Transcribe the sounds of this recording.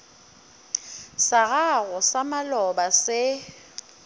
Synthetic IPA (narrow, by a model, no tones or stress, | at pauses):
saɣaɣɔsamalɔbasɪ